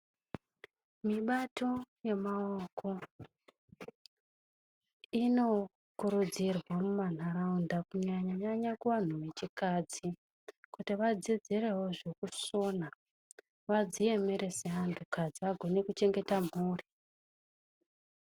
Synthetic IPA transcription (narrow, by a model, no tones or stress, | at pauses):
miɓato̞je̞maoko̞ | ino̞ | kuɾud͡zirwamuman̤araundakuɲaɲaɲaɲakuʋan̤uʋe̞t͡ʃikad͡zi | kutiʋad͡zid͡zire̞ɦo̞ʐekuso̞na | ʋad͡zije̞me̞ɾe̞seɦantʰukad͡ziʋaɡʱo̞ne̞kut͡ʃe̞ŋɡe̞tamuːri